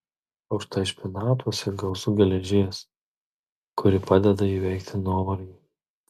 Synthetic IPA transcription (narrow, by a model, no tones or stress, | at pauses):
ɐʊʃt̪ɐɪʃʲpʲɪnɑːt̪uɔsʲɛɡɐʊsʊɡʲɛlʲɛʒʲɪɛs | kʊɾʲɪpɑːd̪ʲɛd̪ɐiːʋʲɛɪkt̪ʲɪnoːmɐɾʲɪ